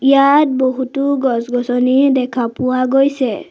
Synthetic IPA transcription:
ijat̚boɦutʊɡɔsɡɔsɔnidɛkʰapʊwaɡojsɛ

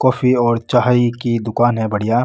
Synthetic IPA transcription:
kɔːfʰiɔːɾt͡ʃaːɦaikid̪ʊkaːnɦɛ̃bɐɽijaː

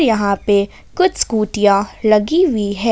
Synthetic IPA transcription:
ɾjɐɦãpe | kʊt͡ʃʰskuːʈijãlɐɡiwiɦɛː

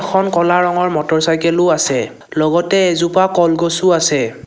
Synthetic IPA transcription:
xʰɔnkɔlaɹɔŋɔɹmɔtɔɹsajkɛlʊasɛ | lɔɡɔtɛɛzupakɔlɡɔsuasɛ

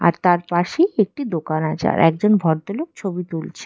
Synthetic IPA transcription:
a̰ɾt̪aɾpaʃejek̚ʈid̪okanat͡ɕa̰ɾɛkd͡ʑonbʱɔɾt̪olok̚t͡ɕʰobit̪ult͡ɕʰe̥

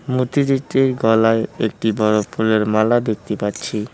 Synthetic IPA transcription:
mut̪id̪iʈ̪ːiɾɡɔlaeek̚ʈibɔɾopːuɾeɾmalad̪ek̚t̪epatːɕʰi

